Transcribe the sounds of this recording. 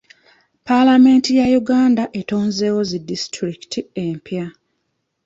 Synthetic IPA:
palame̞ːntijajuɡaːndaʔe̞toːnze̞ːwo̞zidistɾiki̥tʰiempja

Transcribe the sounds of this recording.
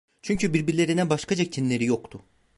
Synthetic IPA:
t͡ʃʰyɲcʰybiɾbiɾlʲe̞ɾinɛbaʃkad͡ʒak̚cʰinlʲe̞ɾijo̞kt̪ʰʊ

